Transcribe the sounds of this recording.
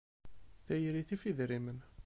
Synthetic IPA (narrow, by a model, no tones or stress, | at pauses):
θæjɾiθifiðɾimən